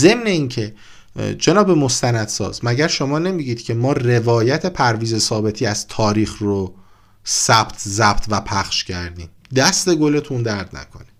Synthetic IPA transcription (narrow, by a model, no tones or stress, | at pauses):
ze̞mne̞iːncʰe̞ | d͡ʒe̞nɒːbe̞mo̞st̪ænæd̪sɒ̰ːzmæɟæɾʃo̞mɒːne̞miɟiːd̪̥cʰe̞mɒːre̞vɒːjæt̪ʰe̞pʰæɾviːze̞sɒːbe̞t̪ʰiːæz̥t̪ʰɒːɾiːxro | sæb̥t̪ʰzæb̥t̪ʰvæpʰæχʃcʰæɾd̪iːm | d̪æst̪e̞ɡo̞le̞t̪ʰund̪æɾd̪næ̰kʰo̞̰ni